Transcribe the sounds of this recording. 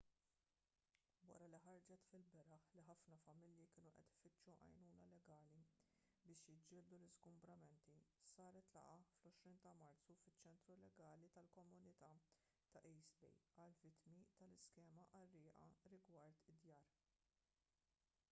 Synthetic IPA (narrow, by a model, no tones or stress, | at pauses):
wɐ̰ɾɐliħɐɾd͡ʒɛt̪fɪlbɛɾɐħliħɐfnɐfɐmɪljikɪːnuʔɛ̰t̪ɪ̥fɪt͡ʃːuʔɐ̰jnuːnɐlɛɡɐːlibɪːʃjɪd͡ʒːɪːld̪ulɪzɡʊmbɾɐmɛnt̪isɐːɾɛt̪lɐ̰ʔɐflɔʃɾiːnt̪ɐmɐɾt̪t͡sufɪt͡ʃːɛnt̪ɾulɛɡɐːlit̪ɐlkɔmʊnɪt̪ɐ | t̪ɐʔɛjsbɛ̰jɐlvɪt̪mit̪ɐlɪskɛːmɐʔɐrːɪːʔɐ̰ɾɪɡwɐɾt̪ɪd̪jɐːɾ